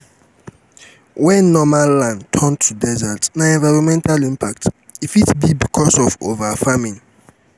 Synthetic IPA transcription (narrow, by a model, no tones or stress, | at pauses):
wɛ̃nːɔmallːãndtʰɔntʰudɛzatnaɛ̃nvaɪɹɔ̃nmɛ̃ntalĩmpʰak̚t | ifitbibikʰɔsɔvovafamĩŋ